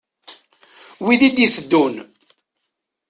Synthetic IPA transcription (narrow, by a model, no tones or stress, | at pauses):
wiðid̪iθəd̪ːun